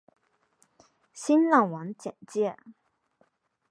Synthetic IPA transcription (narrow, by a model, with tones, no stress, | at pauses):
ɕi˥nlɑ˥˩ŋwa˧˥nt͡ɕjɛ̰˨˩nt͡ɕjɛ˥˩